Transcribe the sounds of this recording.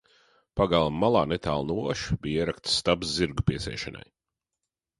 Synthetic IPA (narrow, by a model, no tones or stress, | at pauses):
paɡalˠamːalˠaːnet̪a̰ːlˠnuɔʃbijiɛɾakt̪sst̪absziɾɡupiɛsʲɛ̰ːʃana̰j